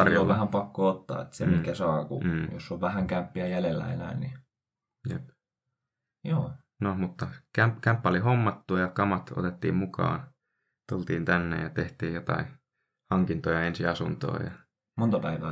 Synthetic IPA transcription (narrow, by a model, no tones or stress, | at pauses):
ɑrjoolːʋæhæmpɑkːoot̪ːɑ̰ːḛt̪semikːæsɑːkṵːjo̰sːoʋʋæhæŋkæmpːiæjælelːæ̰ḛnæ̰ːnni | jḛp | joː | nomut̪ːɑkæmkæmpːæolihomːɑt̪ːujɑkɑmɑt̪o̰t̪et̪ːḭːmmukɑ̰ːn | t̪ult̪iːnt̪ænːḛjɑt̪eht̪iːjjot̪ɑ̰i | hɑŋkint̪ojɑensiɑsunt̪o̰ːjɑ̰ | mont̪ɑpæiʋæː